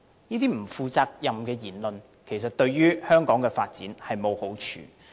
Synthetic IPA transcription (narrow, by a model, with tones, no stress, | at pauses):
jiː˥t̪iː˥m̩˨˩fuː˨˧t͡saː˧k̚jɐ˨mkɛː˧jiː˨˩nlɵ˨n | kʰe˨˩js̬ɐ˨t̚t̪ɵ˧ɥjyː˥hœː˥ŋkɔː˨˥ŋkɛː˧faː˧t̚t͡siː˨˥nhɐ˨jmo˨who˨˥wt͡ʃʰy̰ː˨